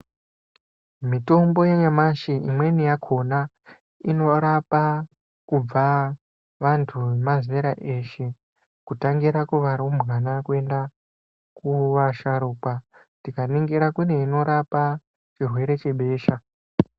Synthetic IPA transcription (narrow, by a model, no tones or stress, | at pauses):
mito̞mbo̞jeɲamaʃiʔimwe̞nijakʰo̞na | ino̞ɾapa | kub͡va | ʋantʰuemazeɾaʔe̞ʃe | kutaŋɡiɾakuʋaɾomɣanakue̞nda | kuʋaʃaɾuːkwa | ntikaniŋɡiɾakune̞ino̞ɾapa | t͡ʃirwe̞ɾe̞t͡ʃe̞ɓe̞ːʃa